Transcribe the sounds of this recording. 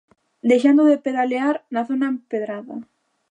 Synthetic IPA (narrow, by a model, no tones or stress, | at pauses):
d̪e̞xand̪oðepeðaleaɾnaθonaempeðɾaða